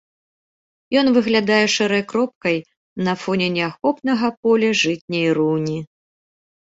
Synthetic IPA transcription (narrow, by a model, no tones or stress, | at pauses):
jɔn̪vɨɣlʲad̪ajɛʂɛɾɐjkɾɔp̚kɐj | nɐfɔnʲɛnʲɛaxɔpnɐɣɐp̚ɔlʲɐʐɨtʲnʲɛjrunʲi